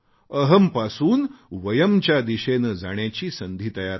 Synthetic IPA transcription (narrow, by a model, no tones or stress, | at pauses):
əɦəmpasuːnʋəjəmt͡ɕjad̪iɕenəd͡zaɽ̃jat͡ɕiːsənd̪ʱiːt̪əjaɾ